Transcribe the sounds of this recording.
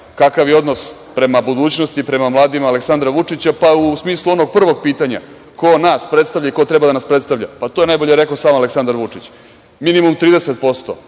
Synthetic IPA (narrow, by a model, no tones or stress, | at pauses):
kakaʋjeo̞d̪no̞spɾe̞mabud̪uːt͡ɕnost̪ipɾe̞mamlˠaːd̪imaːleksand̪ɾaʋut͡ʂit͡ɕapausmiːslˠuo̞no̞ɡ̚pr̩ʋo̞ɡ̚piːt̪aɲa̰ | ko̞naːspɾet̪st̪avʎaikot̪ɾe̞bad̪anaspɾet̪st̪aʋʎa̰pat̪oje̞najboʎeɾekaosaːmaleksand̪aɾʋut͡ʂit͡ɕ | minimumt̪ɾiːd̪eset̪̚po̞st̪o̰